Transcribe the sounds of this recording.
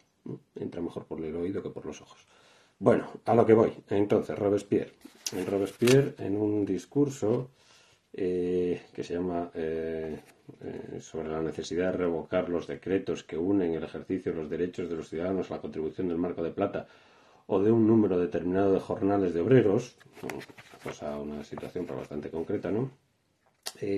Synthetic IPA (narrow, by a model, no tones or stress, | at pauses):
e̞̰nt̪ɾame̞xo̞ɾpoɾleloiðo̞kepo̞ɾlo̞so̞xo̥s | bwe̞noalo̞ke̞β̞o̞je̞nt̪on̟θe̞̰roβespjḛɾenroβespjeɾḛnund̪iskuɾso̞ | eke̞seʎama | so̞β̞ɾe̞lane̞θe̞siðaðere̞β̞o̞kaɾlo̞zðe̞kɾe̞t̪o̞ske̞une̞ŋe̞le̞xe̞ɾθiθjolo̞zðe̞ɾe̞t͡ʃo̞zðe̞loθjuðaðanosalako̞nt̪ɾiβuθjo̞nd̪elmaɾko̞ð̞e̞plat̪a | oð̞euŋnũme̞ɾo̞ðe̞t̪e̞ɾmĩnað̞o̞ð̞e̞xo̞ɾnale̞zðeo̞βɾe̞ɾo̞sno̰akosaunasit̪wa̰θjo̞mpɾaβa̰st̪ant̪e̞ko̞ŋkɾe̞t̪ano | e